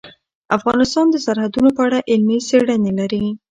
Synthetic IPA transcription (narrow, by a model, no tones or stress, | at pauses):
afɣɑnɪst̪ɑnd̪əsaɾhad̪unopəaɽaʔɪlmiseɽənelaɾi